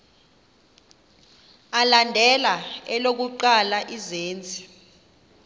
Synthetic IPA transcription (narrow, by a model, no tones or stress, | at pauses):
alandʱɛlaɛlok̬uǃalaʔizeːnt͡sʼi̥